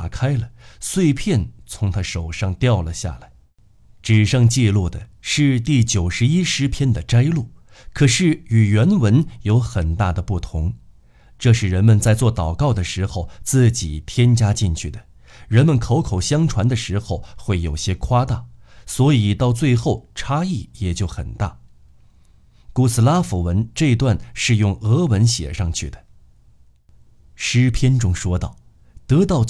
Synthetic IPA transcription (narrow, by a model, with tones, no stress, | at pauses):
kʰa˥ɪlə˩swe˥˧ɪpʰjɛ˥˩nt͡sʰʊ˧˥ŋt̪ʰa˥ʂo˨˩ʊʂɑ˥˧ŋt̪jɑ˥˩ʊlə˩ɕja̰˥˩la˧˥ɪ | ʈ͡ʂɻ̩˨˩ʂɤ˥˧ŋt͡ɕi˥˧lu˥˩d̪ə˩ʂɻ̩˥˧t̪i˥˩t͡ɕjo˨˩ʊʂɻ̩˧˥i˥ʂɻ̩˧˥pʰjɛ˥nd̪ə˨ʈ͡ʂa˥ɪlu˥˩ | kʰɤ˨˩ʂɻ̩˥˩y˨˩ɥɛ˧˥nwə˧˥njo˧˥ʊxə˨˩nt̪a̰˥˩d̪ə˩pu˥˩t̪ʰʊ˧˥ŋ | ʈ͡ʂɤ˥˧ʂɻ̩˥˩ɻə˧˥nmə˧nt͡sa˥˧ɪt͡swɔ˥˩t̪ɑ˨˩ʊkɑ˥˩ʊd̪ə˩ʂɻ̩˧˥xo˧ʊt͡sɹ̩˥˩t͡ɕi˨˩t̪ʰjɛ˥nt͡ɕja˥t͡ɕi˥˧nt͡ɕʰy˥˩d̪ə˩ | ɻə˧˥nmə˧˨nkʰo˧˥ʊkʰo˨˩ʊɕjɑ˥ŋʈ͡ʂʰwa˧˥nd̪ə˧ʂɻ̩˧˥xo˥˧ʊxwe˥˩ɪjo˨˩ʊɕjɛ˥kʰwa˥t̪a̰˥˩swɔ˧˥i˨˩t̪ɑ˥˧ʊt͡swe˥˧ɪxo˥˩ʊʈ͡ʂʰa˥i˥˩jɛ˨˩t͡ɕjo˥˩ʊxə̰˨˩nt̪a̰˥˩ | ku˥˩sʰɹ̩˨˩la˥fu˨˥˩wə˧˥nʈ͡ʂɤ˥˧i˧˥t̪wa˥˧nʂɻ̩˥˧jʊ˥˩ŋɤ˧˥wə˧˥nɕjɛ̰˨˩ʂɑ˥˧ŋt͡ɕʰy˥˩d̪ə̥˩ | ʂɻ̩˥pʰjɛ˥nʈ͡ʂʊ˥ŋʂwɔ˥t̪ɑ̰˥˩ʊ | t̪ɤ˧˥t̪ɑ˥˩ʊ